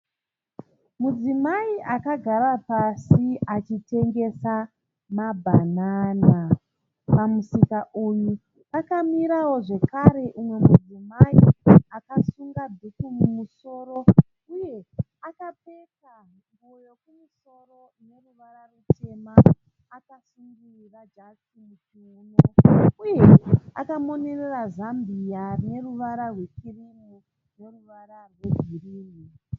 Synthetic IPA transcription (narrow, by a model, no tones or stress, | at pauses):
mud͡zimaiʔakaɡʱaɾapasiat͡ʃite̞ŋɡe̞sa | mabʱanaːna | pamusikaʔuju | akamiɾawo̞ʐe̞kaɾe̞ʔumwe̞mud͡zimaiakasuŋɡadʱikumumuso̞ːɾo̞ | uje̞ | akape̞ta | mojo̞kumuso̞ro̞ | ne̞ruʋararwute̞maː | kasuŋɡi | rad͡ʒakimud͡ʒ | oːnouje̞a̰kamo̞ne̞rerazambijane̞ruʋaɾarwe̞kirimu | ne̞ruʋaɾarwe̞ɡʱiriːni